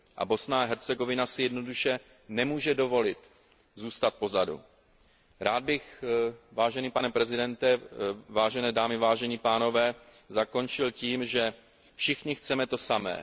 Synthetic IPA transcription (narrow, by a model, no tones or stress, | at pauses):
ʔa̰bo̞snaɦɛɾt͡sɛɡo̞vɪnasɪjɛdno̞duʃɛ | nɛmuːʒɛdo̞vo̞lɪt̪ | zuːst̪at̪̚po̞zadṵ | ɾaːd̪̚bɪxvaːʒɛniːpanɛpɾɛzɪdɛnt̪ɛvaːʒɛnɛːdaːmɪvaːʒɛɲipaːno̞vɛː | zako̞nt͡ʃɪlciːmʒɛ | fʃɪxɲɪxt͡sɛmɛt̪o̞samɛ̰ː